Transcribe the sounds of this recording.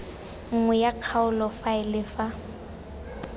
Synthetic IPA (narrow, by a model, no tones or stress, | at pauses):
ŋ̩ŋwɛjaq͡χʰaʊlɔfaɪlɪfa